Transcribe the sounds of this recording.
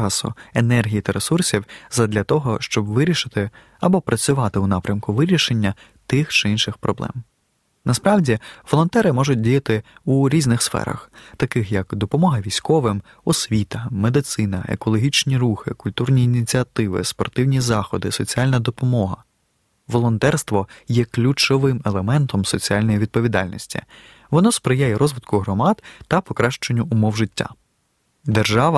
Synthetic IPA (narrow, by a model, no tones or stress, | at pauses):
ɑsʊ̰enɛrɦʲijit̪ɐɾesursʲiwzɐd̪lʲɐt̪ɔɦɔʃt͡ʃɔbʋɪɾʲiʃɪt̪ɪ | ɐbɔpɾʔɐt͡sʲʊʋɑt̪ɪunɑpɾʲɐmkʊʋɪɾʲiʃe̞nʲːɐ | t̪ɪxt͡ʃɪinʃɪxpɾɔblˠɛ̰m | nɐspɾɑwdʲiʋɔlˠɔnt̪ɛɾɪmɔʒʊt̚ʲdʲijɐt̪ɪuɾʲiznɪxsfɛ̰ɾɐ̰xt̪ɐkɪxjɐkd̪ɔpɔmɔɦɐʋʲijsʲkɔʋɪm | ɔsʲʋʲit̪ɐmed̪ɪt̪sɪnɐḛkɔlˠɔɦʲit͡ʃnʲiɾuxɪ̰kʊlʲt̪urnʲiːnʲit͡sʲiɐt̪ɪʋɪ̰spɔrt̪ɪwnʲizɑxɔd̪ɪsɔt͡sʲialʲnɐd̪ɔpɔmɔɦɐ | ʋɔlˠɔnt̪ɛrst̪ʋɔjɛklʲut͡ʃɔʋɪmelˠemɛnt̪ɔmsɔt͡sʲialʲnɔjiʋʲid̪̚pɔʋʲid̪ɑ̰lʲnʲɔ̰sʲtʲḭ | ʋɔnɔspɾɪjajɛɾɔzʋɪd̪kʊɦɾɔmɑd̪t̪ɐpɔkɾɑʃt͡ʃenʲːʊʊmɔwʒɪtʲːa̰ | d̪erʒɑʋɐ